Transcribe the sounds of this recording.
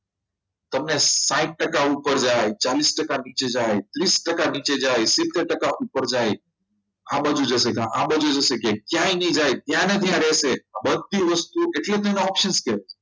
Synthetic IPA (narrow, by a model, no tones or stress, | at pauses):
t̪əmnesãiʈ̚ʈəkaupəɾd͡ʒajt͡ʃalisʈəkanit͡ʃed͡ʒajt̪ɾisʈəkanit͡ʃed͡ʒajsit̪ːeɾʈəkaʔupəɾd͡ʒaj | abəd͡ʒud͡ʒəsekãʔabəd͡ʒud͡ʒəʃekekjãjnəĩd͡ʒajt̪jãnət̪ʰijãɾɛseabəd̪ʱːiʋəst̪ueʈlet̪əmneɔpʃənskɛɾet͡ʃʰe̥